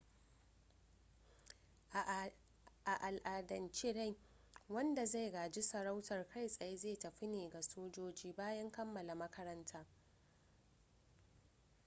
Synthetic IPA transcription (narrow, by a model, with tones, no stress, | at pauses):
ʔa˨ʔa˨lʔaː˨dɐ˨nt͡ʃe˦ɽa˦˨j | wɐ˦nda˨za˦˨jɡaː˨d͡ʒɪ˦sɐ˨ɾa˦wtɐ˨rkʰa˦˨jsʼɐ˨je˦zeː˦˨tɐ˨ɸɪ˦neː˨ɡa˨soː˦d͡ʒoː˦d͡ʒiː˦baː˦jɐ˦ŋkɐ˦mːɐ˨la˨mɐ˦kʰɐ˦ɾɐ˦ntʰaː˦